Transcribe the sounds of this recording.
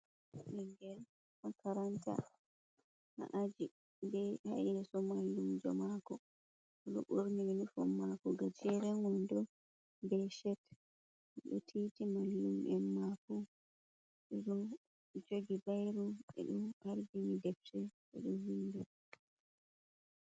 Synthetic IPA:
ɗɛŋɡɛl | makaɾanta̰ | ʔa̰ʔad͡ʒi | bɛha̰jɾɛsɔmalːumd͡ʒɔmakɔ | ɗɔ̰ʔuɾninifɔmːakɔɡad͡ʒɛɾɛŋɔndɔ | bɛʃɛt | ɛɗɔtʰitimaljumʔɛnmakɔ | ɾɔ | d͡ʒoɡibajɾuɓɛ̰ɗɔmʔaɾbimidɛftɛɓɛ̰ɗuwindu

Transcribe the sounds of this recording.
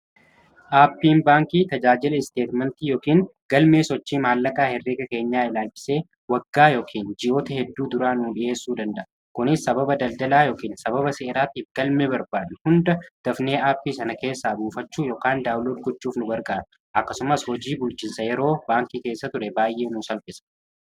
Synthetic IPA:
ʔaːpːiːnbaːŋkiːt̪ɐd͡ʒaːd͡ʒɪlɐɪst̪e̞ːt̪mɛnt̪iːjoːkiːŋɡ̥ɐlmeːsɔt͡ʃːiːmaːlːɐkaːhɛrːeːɡɐke̞ːɲːaːɪlaːlfɪ̥se̞ː | wɐɡːaːjoːkʰiːnd͡ʒɪjo̞ːt̪ɐhɛd̪ːuːd̪ʊɾaːnuːᶑɪʔe̞ːsːuːd̪ɐnd̪ɐʔɐ | kʊnɪsːɐbɐbɐd̪ɐld̪ɐlaːjo̞ːkiːnsɐbɐβɐseːɾaːt̪iːfɡɐlmebɐɾbaːᶑɐnhʊnd̪ɐd̪̥ɐfne̞ːʔaːpːiːsɐnɐke̞ːsːaːbuːfɐt͡ʃːuːjoːkaːnd̪aːwloːɾɡʊt͡ʃːuːfnʊɡɐɾkʼaːᶑ̪ʊ | ʔɐkːɐsʊmɐshɔd͡ʒiːbʊlt͡ʃɪnsɐjɛɾo̞ːbaːŋkiːke̞ːsːɐt̪ʊɾɛbaːjʔe̞ːnuːsɐlpʼɪsɐ̥

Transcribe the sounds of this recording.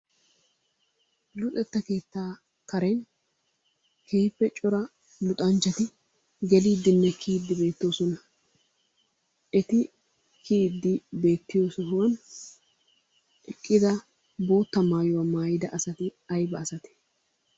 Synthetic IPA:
lʊt̪ʼɛt̪ːɐke̞ːt̪ːaː | kɐɾɛn | kʰeːpːɛt͡ʃʼɔɾɐ | lʊt̪ʼɐnt͡ʃːɐt̪ɪ | ɡɛliːd̪ːɪnːɛkʰiːd̪ːɪbe̞ːt̪ːoːsɔnɐ | ʔɛt̪ɪ | kʰiːd̪ːɪbe̞ːt̪ːɪjo̞ːsɔɦʊwɐn | ɛkʼːɪd̪ɐ | bo̞ːt̪ːɐmaːjɔwɐmaːjɪd̪ɐʔɐsɐt̪ɪɐjbɐːsɐt̪ɛ̥

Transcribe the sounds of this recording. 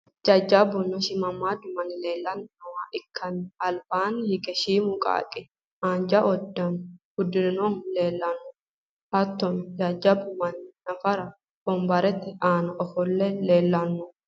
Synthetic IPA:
d͡ʒad͡ʒːɐbʊnɔʃɪmɐmːaːd̪ʊmɐnɪleːlːɐnːɐwaʔɪkʰːɐnɐlbaːnhɪkʼɛʃiːmʊkʼa̰ːkʼɪ | aːnd͡ʒɐʔɔd̪ːɐnɡ̥ʊd̪ːɪnnonleːlːɐnːʊ | ʔɐt̪ːɔnd͡ʒaːd͡ʒɐbʊmɐnnɐfɐɾɐ | b̥ɔmbɐɾɛt̪ːɛʔaːnɐʔɔfɔlːɛle̞ːlːɐnːʊ

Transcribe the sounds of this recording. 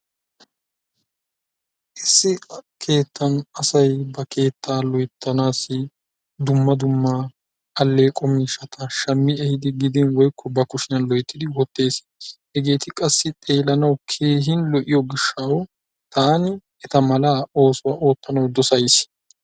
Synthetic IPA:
ʔɪsːɪkʰe̞ːt̪ːɐnɐsɐjbɐkʰe̞ːt̪ːaːlɔjt̪ʰːɐnaːsːɪ | d̪ʊmːɐd̪ʊmːa | ɐlːeːkʼɔmiʃɐt̪ʰɐʃɐmːɪɛhɪd̪ɪɡɪd̪ɪnwɔjkʰːɔbɐkʊʃɪnɐnlɔjt̪ːɪd̪ɪwɔt̪ːe̞ːs | hɛɡe̞ːt̪ɪkʼɐsːɪt̪ʼe̞ːlɐnɐwkʰe̞ːɦɪnlɔʔɪjɔɡɪʃːɐw | t̪ʰaːnɪ | ɛt̪ɐmɐlaːo̞ːsʊwɐʔo̞ːt̪ːɐnɐwd̪ɔsɐjs

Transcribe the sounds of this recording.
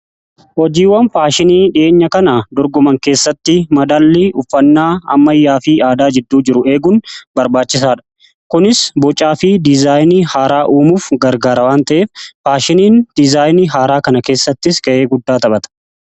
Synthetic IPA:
hɔd͡ʒiːwɐnfaːʃɪniːᶑɪʔe̞ːɲːɐkɐnad̪ɔɾɡɔmɐŋke̞ːsːɐt̪ːɪmɐd̪alːɪʔʊfːɐnːaːɐ̰mːɐjːaːfiːaːd̪aːd͡ʒɪd̪ːuːd͡ʒɪɾʊʔe̞ːɡʊnbɐɾbaːt͡ʃːɪsaːᶑɐ̥ | kʊnɪsbɔt͡ʃʼːaːfid̪ɪzaːjnihaːɾaːʔuːmuːfɡɐɾɡaːɾɐwaːnt̪ɐʔeːffaːʃɪniːnd̪̥ɪzaːjniɦaːɾaːkɐnɐke̞ːsːɐt̪ːɪskɐʔe̞ːɡʊd̪ːaːt̪ɐɓɐt̪ɐ̥

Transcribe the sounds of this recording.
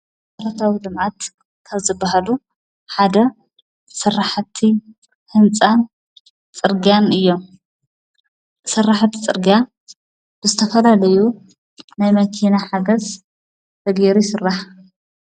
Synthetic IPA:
sɐɾɐt̪ʰawilɨmʕat̪ | kʰaβzɨbːaɦalu | ħad̪ɐ | sɨrːaħt̪ʰːi | hɨnt͡sʼan | t͡sʼɨɾɡjanɨjːo̞m | sɨraħt̪ʰi̥t͡sʼɨɾɡija | b̥ɨzɨt̪ʰɐfɐlalɐju | najmɐkʰinaħaɡɐz | t̪ʰɐɡeɾisɨrːaħ

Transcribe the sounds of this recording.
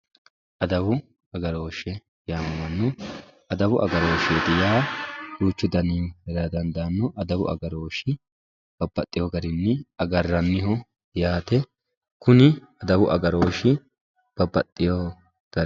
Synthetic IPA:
ʔɐd̪ɐwʊ | ɐɡɐɾo̞ːʃɛ | jaːmɐmɐnːʊ | ɐd̪ɐwʊʔɐ̰ɡɐɾo̞ːʃeːd̪ɪjaːduːt͡ʃːʊd̪ɐnihɛɾɐd̪ɐnd̪ɐnːɔʔɐd̪ɐwʊ̰ʔɐ̰ɡɐɾoːʃɪ | b̥ɐbːɐt̪ʼːɪjoːɡɐɾɪnːɪɐɡɐrːɐnːɪɦɔ | jaːt̪ɛ | kʊnɪ | ɐd̪ɐwʊʔɐɡɐɾo̞ːʃɪ | b̥ɐbːɐt̪ʼːɪjoː | ɡ̥ɐ

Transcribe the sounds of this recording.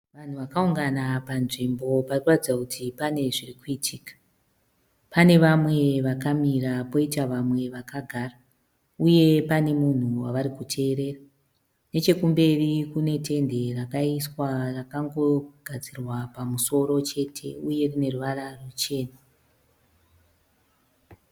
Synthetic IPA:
ʋan̤uʋakauŋɡanapanʐimbo̞parikuratid͡zakutʰipane̞ʐirikuitʰikḁ | pane̞ʋamwe̞ʋakamiɾapo̞itaʋamwe̞ʋakʰaɡʱaːra | uje̞pane̞mun̤uwaʋaɾikutʰe̞ːɾe̞ːra | ne̞t͡ʃe̞kumbe̞rikune̞tʰe̞nde̞rakaiswarakaŋɡo̞ɡʱad͡zirwapamuso̞ɾo̞t͡ʃe̞tʰe̞̰uje̞rine̞ruʋararut͡ʃe̞ːna

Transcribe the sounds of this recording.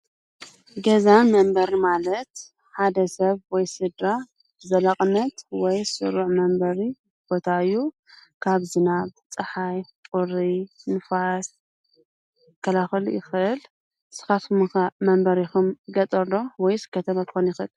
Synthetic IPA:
ɡɐzamɐmbɐɾimalɐt̪ | ħad̪ɐsɐβwɔjsɨd̪ɾa | b̥ɨzɐlaχʼnɐt̪wɔjsɨ̰ɾuʕmɐmbɐɾi | b̥o̞t̪ʰaɨjːu | kʰaβzɨnaβt͡sʼɨħajtʼuɾinɨfas | kʰːɐlaxɨlujɪxɨʔɨl | sɨ̥xat̪mɨxmɐmbɐɾixumɡɐt̪ʼɐɾlo̞wɔjsɨ̥kʰːɐt̪ʰɐβakʰxonjɪxɨl

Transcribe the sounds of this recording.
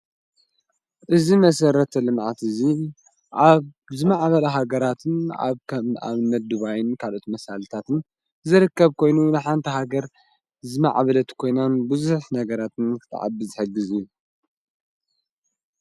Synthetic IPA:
ʔɨzimɐsɐɾɐt̪ʰɐlɨmʕat̪ɨzi | ʔaβ | zɨmaʕβɐlɐɦaɡɐɾat̪ʰɨna̰βkʰɐa̰βnːɐt̪̚d̪uβajɪnkʰalʔo̞t̪mɐsalt̪ʰat̪ɨn | zɨɾɨkːɐβkʰo̞jnunɨħant̪ʰɐɦaɡɐɾ | zɨma̰ʕβɐlɐt̪kʰo̞jnanbɨzuħnɐɡɐɾat̪ʰɨnkʰɨ̥t̪ʰa̰ʕa̰bɨzɨħɨɡːɨzijːu

